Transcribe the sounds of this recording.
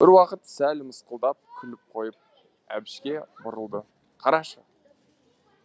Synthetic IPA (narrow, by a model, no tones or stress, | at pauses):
bɪɾwɑqət̪sælməsqəlˠd̪ɑp̚kʲʰʏlɪp̚qʰo̞jəp̚ | æ̰bɪʃkʲe̞bʊɾəlˠd̪ə | qʰɑɾɑʃə